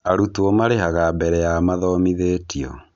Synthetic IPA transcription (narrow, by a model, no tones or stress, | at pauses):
aɾutuomaɾeɦaɣabɛɾɛjamaðɔmiðeːtiɔ̰